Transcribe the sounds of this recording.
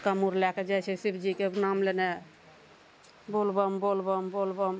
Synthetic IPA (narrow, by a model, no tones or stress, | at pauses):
kamuɾlɛked͡ʒajt͡ʃʰɛsipʰd͡ʒikenamlene | bolbɔmbolbombolbom